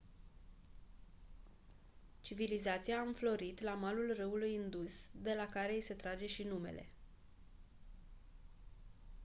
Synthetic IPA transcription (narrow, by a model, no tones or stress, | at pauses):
t͡ʃivilizat̪sijaːɨɱflo̞ɾit̪lamalulrɨulujɨnd̪usd̪e̞lakaɾe̞ise̞t̪ɾad͡ʒe̞ʃinume̞̰le̞̰